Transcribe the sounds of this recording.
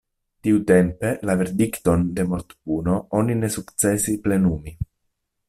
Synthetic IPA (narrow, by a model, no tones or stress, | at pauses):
t̪iut̪empe̞laveɾd̪ikt̪o̞nd̪e̞moɾt̪puno̞onine̞sukt̪t͡sesiple̞numi